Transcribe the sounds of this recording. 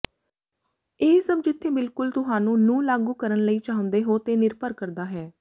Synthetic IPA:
eːsəbd͡ʒɪt̪ʰːeːbɪlkʊlt̪ʊɦaːnũːnũːlaːɡuːkəɾənləiːt͡ʃaːɦʊ̃nd̪eːɦoːt̪eːnɪɾpəɾkəɾd̪aːɦɛː

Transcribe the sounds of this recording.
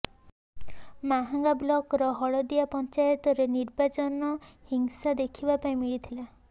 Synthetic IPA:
maɦaŋɡablɔkɾɔɦɔɭɔd̪iapɔnt͡ʃajɔt̪ɔɾeniɾbat͡ʃɔnɔhiŋsad̪ekʰibapaĩmiɭit̪ʰila

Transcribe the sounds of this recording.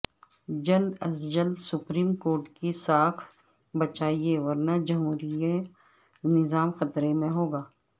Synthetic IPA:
d͡ʒɐld̪ɐsd͡ʒəlsʊpɾiːmkoːɾʈkisaːkʰ | bɐt͡ʃaːieʋɐɾnad͡ʒɐmɦuːɾije | nɪzaːmxɐt̪ɾemẽɦoːɡaː

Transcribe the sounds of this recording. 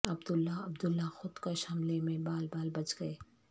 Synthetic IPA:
ɐbd̪ʊlːaɐbd̪ʊlːaxʊd̪kaʃɐmlemẽbaːlbaːlbɐt͡ʃɡɐe

